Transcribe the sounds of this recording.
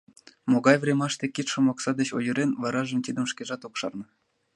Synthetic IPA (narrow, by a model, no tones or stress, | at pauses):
moɡɑjvrʲemɑʃt̪ekʲit̪ʃomɑksɑd̪et͡ɕojə̆ɾenvɑɾɑʒə̆mt̪ʲid̪ə̆mʃkeʒɑt̪okʃɑ̰rnɤ̆